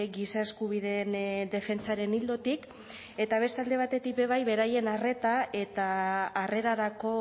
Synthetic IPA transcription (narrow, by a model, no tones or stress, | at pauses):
ɡisae̞skuβ̞iðend̪e̞fe̞nt͡saɾe̞nild̪o̞t̪ik | e̞t̪aβe̞st̪ald̪e̞β̞at̪e̞t̪ik̚be̞β̞ajβe̞ɾaje̞nare̞t̪aʔe̞t̪aːre̞ɾaɾako̞